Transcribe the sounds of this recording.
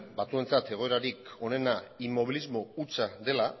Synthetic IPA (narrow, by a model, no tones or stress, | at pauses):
bat͡sue̞nt͡sat̪e̞ɣ̞o̞e̞ɾaɾiko̞ne̞naimo̞β̞ilizmo̞ut͡saðe̞la